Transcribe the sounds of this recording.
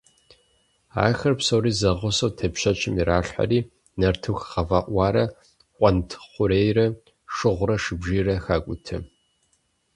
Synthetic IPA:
a̰ːxɐrpsowɾiːzɐʁʷʊsɐwtʰɐpʃɐt͡ʃʰʼɪmiɾaːɬʷħa̰riː | nɐrtʰɨxʁɐvaʔʷɑːɾɐ | qʷʼɔntʰχʷʊɾeːjrɐ | ʂɨʁʷʊɾɐʂɨbʒiːrɐxaːkʷʼʊtʰɨ̰

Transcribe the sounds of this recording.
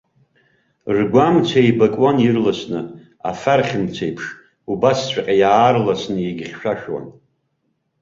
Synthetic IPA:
rɡʷamt͡sʷʰajbakʼwanjirlasnɨ | a̰farχʲɪmt͡sʷʰejpʰʂ | ubast͡ɕʷʰʼaqʲʼajaːrlasnɨjeɡʲɪχʲʃᶣaʃᶣwa̰n

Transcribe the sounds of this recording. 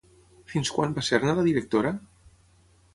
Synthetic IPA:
finskwanbaseɾnaðaðiɾek̚t̪oɾa

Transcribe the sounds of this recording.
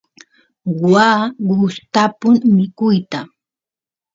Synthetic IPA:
waːɢʊst̪apʊŋmɪkʊjt̪a

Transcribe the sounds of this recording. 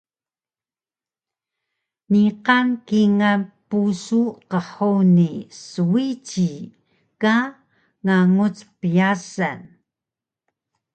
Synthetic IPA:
niqankiŋanpusuqəħunisuwit͡ɕi | ka | ŋaŋut͡spijasan

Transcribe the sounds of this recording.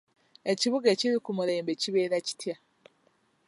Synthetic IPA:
e̞ciβuɡeciɾikumuɾe̞ːmbe̞ciβeːɾaci̥tja

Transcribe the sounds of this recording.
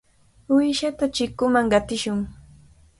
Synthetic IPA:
ʊjʃat̪at͡ʃɪkʊmaŋɢɑt̪ɪʃʊŋ

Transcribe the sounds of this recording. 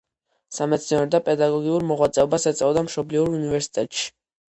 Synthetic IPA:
samɛt̪sʰniɛɾɔd̪apʼɛd̪aɡɔɡiuɾmɔʁwat̪sʼɛɔbasɛt̪sʼɛɔd̪amʃɔbliuɾunivɛɾsi̥t̪ʼɛt̪ʼʃi̥

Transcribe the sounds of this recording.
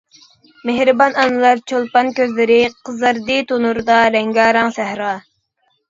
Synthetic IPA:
mehɾɨbɑnɑnɨlˠɑɾt͡ʃʰolˠpɑnkʲøzlɪɾɪqʰəzɨɾd̪ɨt̪ʰonuɾɨd̪ɑlɛŋɡɑːɾɑŋsæhɾɑ

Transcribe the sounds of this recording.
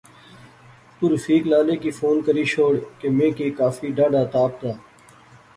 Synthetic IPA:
t̪ʊɾfiːklaːleːkiːfoːnkəɾiːʃʰoːɽkemẽːkiːkaːfiːɖãːɖaːt̪aːp̚t̪aː

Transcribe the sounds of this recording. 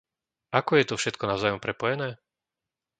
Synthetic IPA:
akɔjɛt̪ɔfʃɛt̪kɔnaʊzaːjɔmpɾɛpɔjɛnɛː

